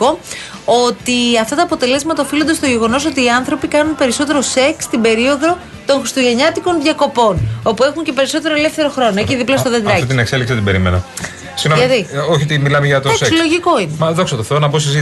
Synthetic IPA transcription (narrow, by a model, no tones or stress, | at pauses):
ko̞ | o̞t̪iɐft̪ɐt̪ɐːpo̞t̪e̞le̞zmɐt̪ɐofilo̞nd̪ɐst̪oʝe̞ɣo̞no̞s̬o̞t̪iːɐnθɾo̞pikɐnunpe̞ɾiso̞t̪e̞ɾo̞se̞kst̪ibe̞ɾio̞ðo̞ | t̪o̞ŋxɾist̪oʝe̞ɲɐt̪iko̞nðʝɐko̞po̞no̞pue̞xuɲce̞pe̞ɾiso̞t̪e̞ɾoe̞le̞fθe̞ɾoxɾo̞noeciðiplɐst̪oðed̪ɾɐit̪inekse̞liksit̪ibe̞ɾimḛnɐ̰ | sinomɐðioçiot̪imilɐmeʝɐt̪osesollo̞ʝiko̞inemɐðo̞ksɐt̪oθeonɐbosizi